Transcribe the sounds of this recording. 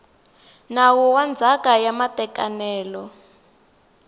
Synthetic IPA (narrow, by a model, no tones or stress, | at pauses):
nawɔwand͡zʱakajamatɛkanɛːlɔ